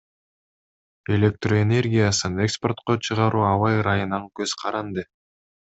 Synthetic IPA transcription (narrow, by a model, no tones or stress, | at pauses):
e̞lʲe̞k̚t̪roene̞rɡʲijasɯne̞kspo̞rt̪qot͡ʃʰɯʁɑɾʔuːɑwɑjɾɑjɯnɑŋkøz̥qʰɑɾɑnd̪ɯ